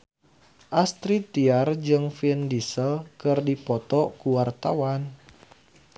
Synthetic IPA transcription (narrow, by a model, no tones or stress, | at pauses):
ʔast̪ɾit̪iard͡ʒɨŋfindisəlkɨrdipɔt̪ɔkuwart̪awan